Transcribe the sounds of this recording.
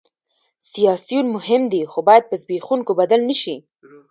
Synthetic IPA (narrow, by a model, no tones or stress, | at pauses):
sijɑsijunmʊhɪmd̪ixobɑjad̪̚pəzbixuŋkobad̪alnəʃi